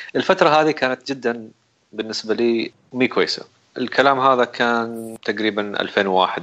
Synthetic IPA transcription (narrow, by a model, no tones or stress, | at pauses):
ʔɪlfat̪ɾˤɑɦaːðikaːnat̪̚d͡ʒɪd̪ːan | bɪnːɪsbaliː | miːkwajːsa̰ | ʔɪlkʰalaːmɦaːðakʰaːnt̪aqɾiːbanʔa̰lfeːnwwa̰ːħɪd̪̚